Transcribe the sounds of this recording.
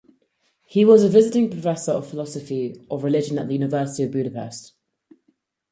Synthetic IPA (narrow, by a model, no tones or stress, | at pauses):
hiwɒzəvɪzɪtɪ̃ŋpʰɹ̥əfɛsəɹə̰v̥fɪlɒsəfiʔəvɹɪlɪd͡ʒə̃nə̰ʔðəjʉːnɪvɜˑsɪ̥tiəvbjʉːɾəpʰɛ̰st